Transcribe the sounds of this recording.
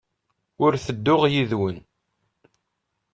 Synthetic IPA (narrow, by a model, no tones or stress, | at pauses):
ʊɾθəd̪ːʊʁjiðwən